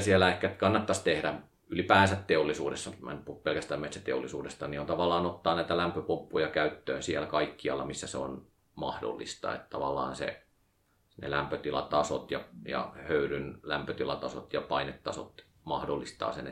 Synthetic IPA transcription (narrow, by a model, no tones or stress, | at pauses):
siælæehkæt̪kɑnːɑt̪ːɑst̪ehɾæ | ylipæːnsæt̪t̪eolːisṵːdesːɑmæ̰npuupelkæst̪æːmmet̪sæt̪eolːisṵːdest̪ɑniont̪ɑʋɑlːˑɑːnot̪ːɑːnæit̪ælæmpøpumpːujɑkæyt̪ːø̰ːnsiælkɑikːiɑlːɑmisːæseo̰n | mɑ̰hdo̰lːist̪ɑ̰ḛt̪t̪ɑʋɑlːɑ̰ːnsḛ | nḛlæmpøt̪ilɑt̪ɑsot̪jɑjɑ̰høyɾynlæmpøt̪ilɑt̪ɑso̰t̪jɑpɑinet̪ːɑsot̪ | mɑhdolːist̪ɑ̰ːsen